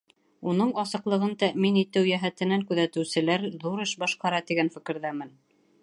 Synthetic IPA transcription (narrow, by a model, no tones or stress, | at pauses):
unɤɴɑsɤ̆qlˠɤ̆ʁɤnt̪æminit̪ɘwjæɦæt̪ɘ̆næŋkʉðæt̪ɘ̆wsɘ̆læɾðuɾɘʃbɑʃqɑɾɑt̪iɡænfɘ̆kɘ̆ɾðæmɘn